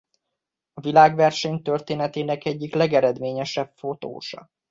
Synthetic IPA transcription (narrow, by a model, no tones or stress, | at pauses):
ɒvilaːɡʋɛrʃɛɲt̪ørt̪eːnɛt̪eːnɛkɛɟːiklɛɡɛɾɛd̪meːɲɛʃɛpfo̞t̪o̰ːʃɒ̰